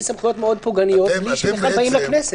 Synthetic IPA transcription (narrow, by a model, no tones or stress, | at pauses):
samχujo̞t̪meo̞d̪̚puɡanijo̞t̪̚bliʃeneχalbaimlaknese